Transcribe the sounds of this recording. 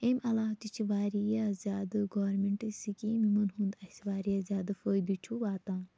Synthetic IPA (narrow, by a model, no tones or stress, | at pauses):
emʲɐlaːt̪it͡ʃʰiʋaːɾijazʲaːd̪ɨɡoːɾmeɳʈɨsikiːmimɐnɦund̪ɐsʋaːɾijaːzʲjaːd̪ɨfəːjd̪ut͡ʃʰuʋaːt̪ãː